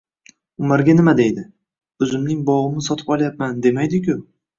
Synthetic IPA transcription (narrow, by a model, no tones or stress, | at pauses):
ʊmaɾɡʲanɪmad̪e̞jd̪ɪ | ɵzɪmnɪŋbɒʁɨmɪsɒt̪ʰɪ̥pɒlˠjap̚mand̪e̞majd̪ɪkʲʰʊ